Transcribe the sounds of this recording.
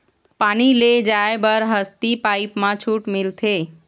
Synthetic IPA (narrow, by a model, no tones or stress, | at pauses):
paniled͡ʒaebəɾɦəst̪ipaipmãt͡ʃʰuʈmilt̪ʰe